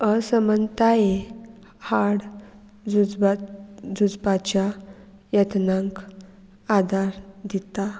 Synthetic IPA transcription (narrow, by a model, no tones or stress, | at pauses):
əsəmənt̪ae | haɽ | d͡zud͡zbad͡zud͡zbat͡ɕja | jət̪nãŋk | ad̪ʱaɾd̪it̪a